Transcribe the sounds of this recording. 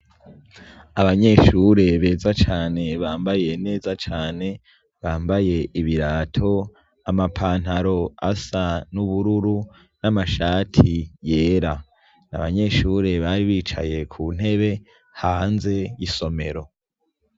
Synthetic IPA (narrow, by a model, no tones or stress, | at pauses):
aβaɲe̞ːʃuɾe̞βe̞ːzat͡ʃaːne̞βaːmbaje̞ne̞ːzat͡ʃaːne̞ | βaːmbaje̞ʔiβiɾaːtʰo̞ | amapʰaːn̥haɾo̞asanuβuɾuɾu | namaʃaːtʰije̞ːɾa | na̰βaɲe̞ːʃuːɾe̞βaɾiβiːt͡ʃa̰je̞kʰuːn̥he̞βe̞ | haːnze̞jiso̞me̞ɾo̞